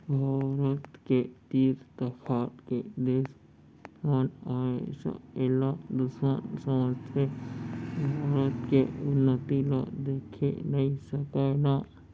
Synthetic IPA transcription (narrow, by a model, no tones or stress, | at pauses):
bʱaːɾət̪ket̪iːɾt̪əpʰaːt̪ked̪eːs | maːnaesa̰elad̪ʊʃmənsəməsʰe | bʱaːɾət̪keʊnːət̪ila̰d̪eːkʰḛnɐĩsəkana